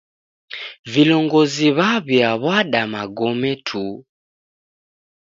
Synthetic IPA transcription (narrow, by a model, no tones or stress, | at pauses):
vilɔŋɡɔziβaβjaβwaɗamaɡɔmɛtʰu